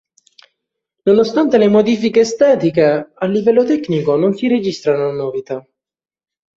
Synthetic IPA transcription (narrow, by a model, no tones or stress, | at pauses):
nonost̪ant̪elemod̪iːfikeːst̪ɛːt̪ikealːivɛlːot̪ɛknikononsiɾed͡ʒist̪ɾanonovit̪a